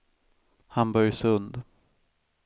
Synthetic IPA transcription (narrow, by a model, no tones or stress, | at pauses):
hambɔɾjsɵnd̪